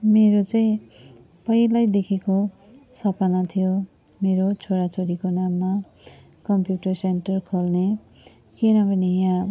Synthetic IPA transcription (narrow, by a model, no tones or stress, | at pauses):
meɾot͡saĩ | pʌjlajd̪ekʰeko | sʌpanat̪ʰijo | meɾot͡sʰoɽat͡sʰoɾikonamːa | kʌmpjuʈʌrsenʈʌrkʰolne | kinʌbʱʌnijã